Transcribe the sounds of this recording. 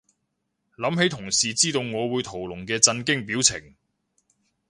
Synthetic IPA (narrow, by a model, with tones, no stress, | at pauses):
lɐ˨˥mɦe˨˥jt̪ʰʊ˨˩ŋsiː˨t͡siː˥t̪o˧wŋɔː˨˧wuː˨˧jt̪ʰo˨˩wlʊ˨˩ŋkɛː˧t͡sɐ˧nkɪ˥ŋpiː˨˥wt͡sʰɪ˨˩ŋ